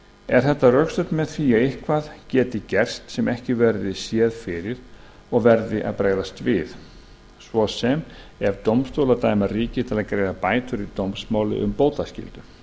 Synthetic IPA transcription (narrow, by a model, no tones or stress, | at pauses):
ɛɾ̥θɛht̪ːarœkst̪œt̪mɛðθiːjaɪhkʰvaðcɛːt̪ɪcɛr̥st̪sɛmɛhcɪvɛɾðɪsjɛːðfɪɾɪɾ̥ | ɔɣvɛɾðɪʔa̰ðpɾaːɣðast̪vɪð | svɔsɛm | ɛɾt̪owmst̪owlat̪aːjmariːcɪt̪ʰɪlaðkɾejðapaːjt̪ʏɾit̪owmsmaːwlɪ̰ʔʏ̰mpoːwt̪ascɪ̰lt̪ʏ